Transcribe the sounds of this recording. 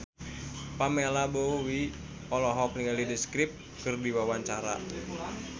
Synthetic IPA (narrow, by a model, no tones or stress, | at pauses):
pamelabowi | ɔlɔɦɔk̚niŋɡalidiskɾip̚ | kɨrdiwawaɲt͡ʃaɾa̰